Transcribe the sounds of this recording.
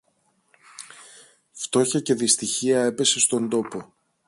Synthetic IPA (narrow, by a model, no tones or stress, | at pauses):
ft̪o̞çɐce̞ðist̪içiɐe̞pe̞se̞st̪o̞nd̪o̞po